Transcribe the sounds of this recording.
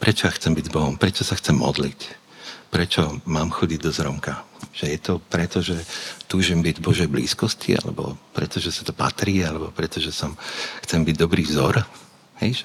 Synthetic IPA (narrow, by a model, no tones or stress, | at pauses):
pɾɛt͡ʃɔjaxt͡sɛmbiɟzbɔɦɔmpɾɛt͡ʃɔsaxt͡sɛmːɔ̰d̪lic | pɾɛt͡ʃɔmaːmxɔɟiɟ̚d̪ɔzɾɔmkaʒ̥ɛjɛt̪ɔpɾɛt̪ɔʒɛt̪uːʒimbiɟbɔʒɛjblḭːskɔscḭa̰lɛ̰bɔ̰pɾɛt̪ɔʒɛsḁt̪ɔpa̰t̪ɾiːalɛbɔpɾɛt̪ɔʒɛsɔmxt͡sɛmbiɟ̚d̪ɔbɾiːvzɔɾ | hɛjʒɛ